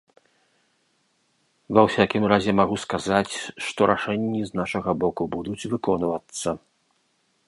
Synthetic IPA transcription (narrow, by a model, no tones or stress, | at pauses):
vɐwsʲakʲimɾazʲɛmaɣuskazat͡sʲʂt̪ɔɾʔaʂɛnʲːiznaʂɐɣɐbɔkubud̪ut͡sʲvɨkɔnvɐt̪sːɐ